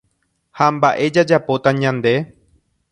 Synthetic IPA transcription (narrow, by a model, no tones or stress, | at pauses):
hambaʔe̞d͡ʒad͡ʒapo̞t̪aɲãnd̪e̞